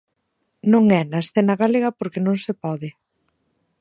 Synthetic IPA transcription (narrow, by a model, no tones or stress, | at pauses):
nõŋɛnɐesθɛnɐɣaleɣɐpoɾkɪnõŋsepɔðɪ